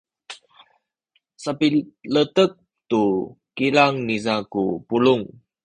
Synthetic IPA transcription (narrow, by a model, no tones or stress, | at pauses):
sapilətək̚ | tu | kilaŋnizakupuluŋ